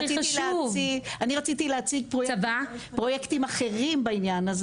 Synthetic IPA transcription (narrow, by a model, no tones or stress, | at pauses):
iilt͡sviɡaniʁat͡sit̪ilehat͡siɡ̚pʁojvapʁo̞jektimaχe̞ʁimbainjanaz